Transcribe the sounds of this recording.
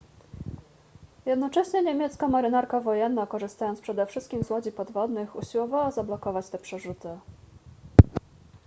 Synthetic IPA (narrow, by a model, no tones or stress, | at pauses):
jɛd̪nɔt͡ʂɛɕɲɛɲemʲjɛt̪skamaɾɘnaɾkavɔjɛnːakɔʐɘst̪ajɔnt̪pʂɛd̪ɛfʂɘst̪kʲimzwɔd͡ʑipɔd̪vɔd̪nɘxṵɕiwɔvawazablɔkɔvat͡ɕt̪ɛpʂɛʐut̪ɘ